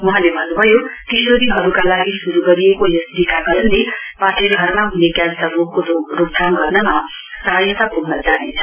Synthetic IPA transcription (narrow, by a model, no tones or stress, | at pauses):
mʌɦãlebʱʌnːubʱʌjok̪isoɾiɦʌɾukalaɡisuɾuɡʌɾiekojesdikaɡʌɾnlepaʈʰeɾɡʱʌrmaɦunekjalsʌɾokoɾok̚d̪ʱamɡʌrnʌma | sʌɦʌjʌt̪apuɡnʌd͡zanit͡sʰʌ